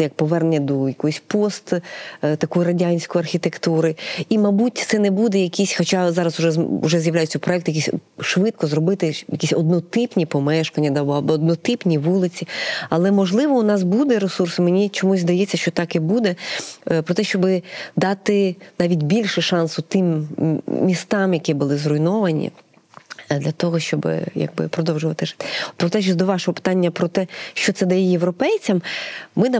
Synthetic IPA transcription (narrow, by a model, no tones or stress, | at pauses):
jɐk̚pɔʋɛrnnʲɐd̪ɔjɐkɔjʊsʲpɔst̪t̪ɐkɔjɾɐdʲanʲsʲkɔjɐrxʲit̪ekt̪uɾɪimɐbutʲt̪sɛnɛbud̪ɛjɐkʲisʲxɔt͡ʃɑzɑɾɐsʊʒɛʊ̰ʒɛzjɐʋwlʲajʊt͡sʲːɐpɾɔɛkt̪jɐkisʲʃʋɪt̪̚kɔzɾɔbɪt̪ɪjɐkʲisʲɔd̪nɔt̪ɪpnʲipɔmɛʃkɐnʲːɐd̪ɑbɔɐbɔːd̪nɔt̪ɪpnʲiʋulˠɪt͡sʲiɐlˠɛmɔʒlˠɪʋɔʊnɑs̬bud̪ɛɾesursɪmenʲit͡ʃɔmuzʲzd̪ɐjɛt͡sʲːɐʃt͡ʃɔt̪ɑkibud̪ɛpɾɔt̪ɛʃt͡ʃɔbɪd̪ɑt̪ɪnɑʋʲitʲbʲilʲʃɪʃɑnsʊt̪ɪmːʲ | ist̪ɑmjɐkʲibʊlˠɪzrɔjnɔʋɐnʲḭ | d̪lʲɐt̪ɔɦɔʃt͡ʃɔbɪ̰jɐ̰ɡ̚bɪ̰pɾɔd̪ɔwʒʊʋɐt̪ɪʒɪ̥t̪ɪpɾɔt̪ɛʃd̪ɔʋɑʃɔɦɔpɪ̥t̪ɑnʲːɐpɾɔt̪ɛʃt͡ʃɔt̪sɛd̪ɐjɛjeʋɾɔpɛjt͡sʲɐmmɪn